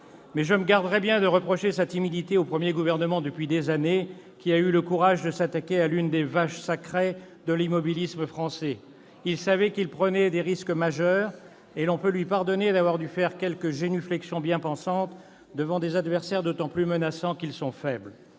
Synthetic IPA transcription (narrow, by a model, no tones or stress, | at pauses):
mɛʒəməɡaʁd̪əʁɛbjɛ̃d̪əʁəpχɔʃesat̪imid̪it̪eopχəmjeɡuvɛʁnəmɑ̃d̪əpɥid̪ezane | kʲiayləkuʁaʒd̪əsat̪akʲealynd̪evaʃsakχe | d̪əlimɔbilisməfχɑ̃sɛ | ilsavɛkilpχənɛd̪eʁiskmaʒœːʁ | elɔ̃pølɥipaʁd̪ɔned̪avwaʁd̪yfɛʁkʲɛlkəʒenyflɛksjɔ̃bjɛ̃pɑ̃sɑ̃t̪ | d̪əvɑ̃d̪ezad̪vɛʁsɛʁd̪ot̪ɑ̃plymənasɑ̃kilsɔ̃fɛbl